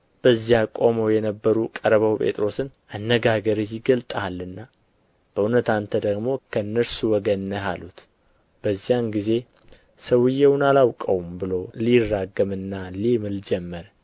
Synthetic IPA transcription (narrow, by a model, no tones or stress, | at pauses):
b̥əzjakʼo̞mojɛnəbːəɾukʼəɾβəwpʼe̞̰t̪ʼɾo̞sɨn | anːəɡaɡəɾɨjɪɡəlt̪ʼalːɨnːa | b̥əʔunət̪ant̪ʰəd̪əɡmo̞kʰənːəɾsuwɔɡənːəɦalut̪ | b̥əzːijanɡize̞ | səwɨjːɛwʊnalawkʼəwumbɨlo̞lirːaɡːəmɨnːalimɨld͡ʒɛmːəɾ